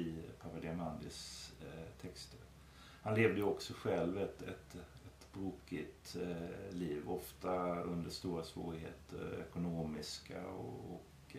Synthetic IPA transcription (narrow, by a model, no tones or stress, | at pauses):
ɪpʰavad̪ɪamand̪ɪs | t̪ʰɛkst̪ʰəɾ | hanleːvd̪əjəɔksɔɧɛlvɛt̪ɛ̰t̪ɛt̪bɾuːkɪt̪liːvɔft̪aɵnd̪əʂt̪uːɾasvo̰ːɾɪɦḛːt̪ʰə̰ɾɛ̰kʊnoːmɪska̰ɔ̰ɔk